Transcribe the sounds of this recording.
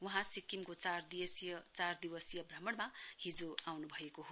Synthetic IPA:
wuɦãsikːimkot͡sard̪iʌsjʌt͡sard̪iwʌsjʌbrʌmʌɽmahid͡zoawnubʱʌekoɦo

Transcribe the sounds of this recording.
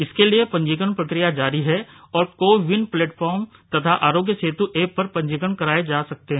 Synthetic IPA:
ɪskeliepɐ̃ɲd͡ʒikəɳpɾɐkɾɪjad͡ʒaːɾiɦɛ | ɔːɾkoːʋɪnpleːʈfɔːɾmt̪ɐt̪ʰaʔaːɾoːɡjəseːt̪uʔeːpːɐɾpɐ̃ɲd͡ʒikənkɐɾaːed͡ʒaːsɐk̚t̪eɦɛ̃ː

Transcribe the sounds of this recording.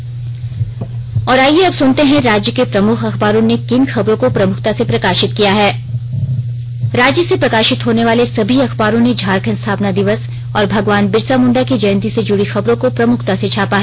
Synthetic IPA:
ɔːɾaːieɐbsʊnt̪eɦɛ̃ɾaːd͡ʒjəkepɾɐmʊkʰɐxbaːɾõnekɪnxɐbɾõkopɾɐmʊkʰt̪asepɾɐkaːʃɪt̪kijaɦɛː | ɾaːd͡ʒjəsepɾɐkaːʃɪt̪ɦoːneʋaːlesɐbʱiɐxbaːɾõned͡ʒʱaːɾkʰə̃nst̪ʰaːpnad̪ɪʋəs | ɔːɾbʱɐɡʋaːnbɪɾsamʊ̃ɳɖakid͡ʒɐjnt̪ised͡ʒʊɽixɐbɾõkopɾɐmʊkʰt̪aset͡ʃʰaːpaɦɛː

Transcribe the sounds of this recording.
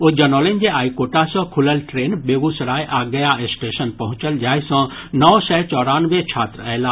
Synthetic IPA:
od͡ʒɐnoːlend͡ʒeaːikoːʈasɔ̃kʰʊləlʈɾeːnbeːɡusɾaːjʔaːɡɐjaɪsʈeːʃənpɐɦʊ̃t͡ʃəld͡ʒaːjsɔ̃ | nɔːsɛɦt͡ʃɔːɾãnʋẽt͡ʃʰaːt̪ɾɛɦlaː

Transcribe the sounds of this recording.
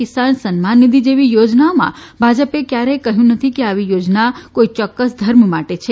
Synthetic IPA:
ɪsansənmanːid̪id͡ʒeʋijod͡ʒnaomã̰bʱad͡ʒəpekjaɾekəɦjũnət̪ʰikeaʋijod͡ʒnakoit͡ʃɔkːəsd̪ʱəɾmmaʈet͡ʃʰe

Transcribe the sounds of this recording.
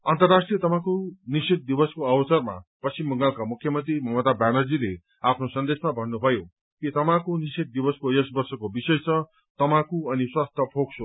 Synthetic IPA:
ʌnt̪ʌrːasʈrijʌt̪ʌpãkonisit̪̚d̪ibʌskoʌbʌt͡sʌrma̰pʌst͡ʃimːʌŋɡalkamukʰjʌmʌnt̪rimʌmʌt̪abanʌd͡zile | apʰnosʌnd̪esmabʱʌnːubʱʌjo | et̪ʌmãkonisit̪̚d̪ibʌskojesbʌrsʌkobisʌjt͡sʰʌ | t̪ʌmãkuʌniswast̪ʰʌpʰoksʰo

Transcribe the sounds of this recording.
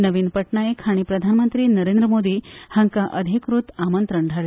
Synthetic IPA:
nəʋiːnpəʈɳaekʰaɽ̃ipɾəd̪ʱanmənt̪ɾiːnəɾend̪ɾəmod̪iːhəŋkaʔəd̪ʱikɾut̪amənt̪ɾəɳɖʱaɾ

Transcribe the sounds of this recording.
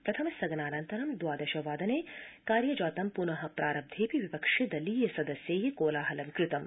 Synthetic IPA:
pɾɐt̪ʰɐmɐsɐɡnaːnɐnt̪ɐɾɐmd̪waːd̪ɐʃɐʋaːd̪ɐneːkaːɾjɐd͡ʒaːt̪ɐmpunɐɦɐpɾʔaːɾɐb̚d̪ʱeːpiʋipɐkʂid̪ɐliːjɐsɐd̪ɐsjeːɦikoːlaːɦɐlɐʋikɾɪt̪ɐm

